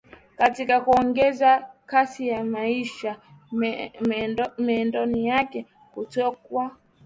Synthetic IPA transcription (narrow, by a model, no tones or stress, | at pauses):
katikakuɔŋɡɛzakasijamaiʃa | mɛːndɔnijakɛ | kutɔkwa